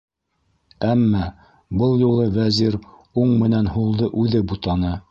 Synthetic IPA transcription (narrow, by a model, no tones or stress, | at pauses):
æmːæ | bɤlˠjulˠɤvæziɾ | uɴmɘ̆nænhulˠd̪ɤʔʉðɘbut̪ɑnɤ